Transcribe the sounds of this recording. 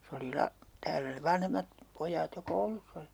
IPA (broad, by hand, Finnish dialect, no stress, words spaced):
se oli lɑ tæːlæ seʋ̆ ʋɑnhemːɑt pojˑɑːt jo koulusː oli